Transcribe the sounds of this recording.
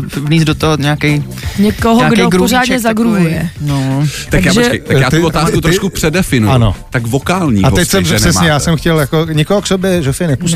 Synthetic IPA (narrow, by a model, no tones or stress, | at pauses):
vniːzdot̪oɦoɲaakɛj | ɲɛkoɦoaɡdoɡɾoozaːdɲɛzaɡɾuɦujɛnot̪aakjaʒɛt̪akjaːt̪uvot̪aːskut̪ɾoʃkupr̥ɛdɛfɪnujano̰t̪akvokaːlɲḭːaɛcsɛɛɛsmɲɛjaːsɛmxcɛljakoɲɪkoɦoksobjɛʒofɪnɛpus